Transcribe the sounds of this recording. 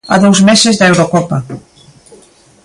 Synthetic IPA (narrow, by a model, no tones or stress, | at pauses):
a̰ðowzmesezðaewɾokɔpa